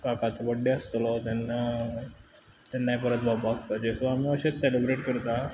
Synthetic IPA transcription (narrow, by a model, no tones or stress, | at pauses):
kakat̪oʋəɖːeəst̪lɔt̪ɛna | t̪ɛnːapəɾə̃t̪̚bʱabaspad͡ʑesoamiəɕeselibɾeʈkəɾt̪a